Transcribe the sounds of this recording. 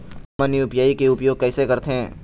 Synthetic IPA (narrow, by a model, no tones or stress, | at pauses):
məniʊpjaːikeʊpjoːɡ̚kɛːsekɐɾt̪eɦɛ̃ː